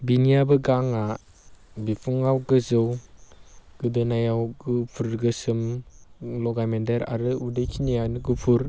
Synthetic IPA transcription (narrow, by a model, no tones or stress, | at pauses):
binijabɯɡaŋa | bipʰuŋawɡɯzɯw | ɡ̥ɯdɯnajawɡɯpʰuɾɡɯsɯm | lɔɡamendeɾa̰ɾɯudɯjkʰinijanɡɯpʰuɾ